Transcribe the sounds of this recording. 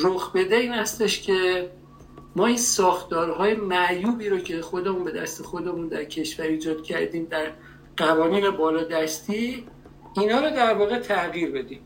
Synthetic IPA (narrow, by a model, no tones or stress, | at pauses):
roxbe̞d̪e̞iːnhæst̪e̞ʃcʰe̞ | mɒːiːnsɒːxt̪ɒːɾɦɒːjemæʔjuːbiːɾocʰe̞xod̪emunbe̞d̪æ̰st̪exod̪e̞mund̪æɾcʰe̞ʃv̥æɾiːd͡ʒɒːd̪̥cʰæɾd̪iːmd̪æɾ | ɢ̥ævɒːniːne̞bɒːlɒːd̪æst̪ʰiː | inhɒːɾod̪æɾvɒːɣe̞t̪ʰæɣiːɾbe̞d̪iːm